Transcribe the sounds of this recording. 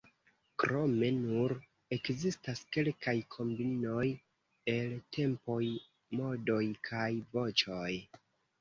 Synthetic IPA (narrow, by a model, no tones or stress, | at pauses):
kɾo̞me̞nuɾ | e̞kzistaske̞lkajkʰo̞mbino̞j | e̞ltʰe̞mpo̞j | mo̞do̞jkʰajvo̞t͡ʃoj